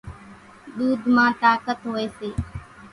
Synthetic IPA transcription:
ɗ̪uːd̪ʱmãːt̪aːkət̪ɦoːeːseː

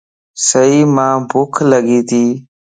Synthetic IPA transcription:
səiːmãːbʱʊkʰləɡiːt̪ʰiː

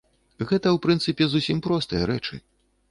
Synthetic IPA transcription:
ɣɛt̪ɐwpɾɨnt̪sɨpʲɛzusʲimpɾɔst̪ɨjɐɾɛt͡ʂɨ̰

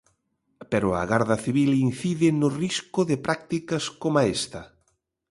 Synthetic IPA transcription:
peɾʊa̰ɣaɾðɐθiβilin̟θiðɪnʊriskʊðɪpɾʔak̚t̪ikɐskomaest̪ɐ

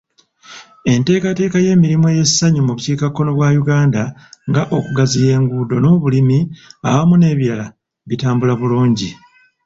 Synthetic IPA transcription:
e̞nte̞ːkate̞ːkaje̞ːmiɾimueːje̞sːaɲumuβuciːkakːo̞no̞βwaːjuɡaːndaŋɡaʔo̞kuɡazije̞ːŋɡuːdo̞no̞ːβulimiaβamune̞ːβjala | βitaːmbulaβuluːɲɟi

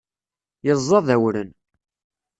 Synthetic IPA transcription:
jəzˤːɑðæwɾən

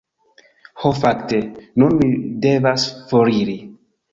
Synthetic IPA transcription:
hofaktenunmide̞vasfoɾiɾi

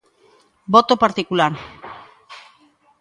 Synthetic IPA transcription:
bot̪opaɾt̪ikulaɾ

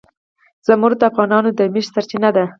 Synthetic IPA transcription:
z̥amuɾ̚d̪əafɣɑnɑnod̪əmiʃsaɾt͡ʃinad̪a

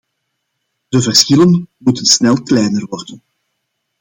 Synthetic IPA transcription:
d̥əvərsxɪlənmutənsnɛlˠklɛjnərʋɔrdən

